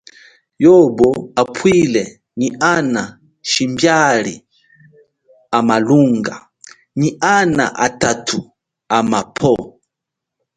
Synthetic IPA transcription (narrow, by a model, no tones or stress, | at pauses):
jɔbɔapʰwilɛ | ɲiana | ʃimbjalḭ | amaluŋɡa̰ | ɲiʔana̰ʔa̰tatʰu | amapʰɔ